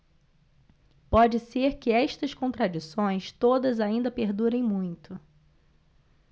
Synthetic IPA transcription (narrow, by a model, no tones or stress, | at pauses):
pɔd͡ʒɪseɾkɪɛʃt̪ɐskõnt̪ɾad͡ʒisõj̃st̪od̪ɐzaĩnd̪ɐpeɾd̪uɾẽj̃mũj̃t̪ʊ